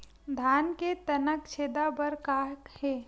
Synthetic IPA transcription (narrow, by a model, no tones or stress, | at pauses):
d̪ʱaːnket̪ɐnəkt͡ʃʰeːd̪abəɾkaːɦkhɛː